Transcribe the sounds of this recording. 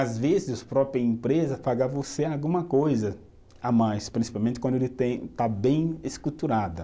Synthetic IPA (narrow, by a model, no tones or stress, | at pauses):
azvezɪspɾɔpɾiɐẽmpɾezɐpaɡavoseawɡũmɐkojzɐ | amajspɾĩsi̥pawmẽnt̪ɪkɐ̃nd̪elɪt̪ẽj̃t̪abẽj̃eskɾut̪uɾad̪ɐ